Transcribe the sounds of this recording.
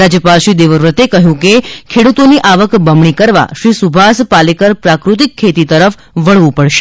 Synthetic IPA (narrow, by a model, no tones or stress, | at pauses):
ad͡ʒjəpalʃid̪eʋəɾʋət̪ekəɦjũkekʰeɽut̪oniʔaʋəkbəmɳ̃ikəɾʋa̰ʃɾisubʱaspalikəɾpɾakɾut̪ikʰːet̪it̪əɾəf | ʋəɭʋũpəɽʃe̥